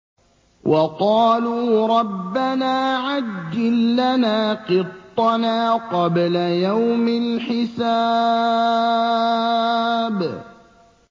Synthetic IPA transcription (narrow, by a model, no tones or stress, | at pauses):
wʔɑqɑːluːɾˤɑbːanaːʕadd̪ːɪlːanaːqɨt̪ˤːɑnaːqɑblajawmɪlħɪsaː | b